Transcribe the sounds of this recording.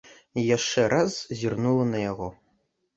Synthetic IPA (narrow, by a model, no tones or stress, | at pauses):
jaʂt͡ʂɛɾʔazzʲirnulˠɐnɐjaɣɔ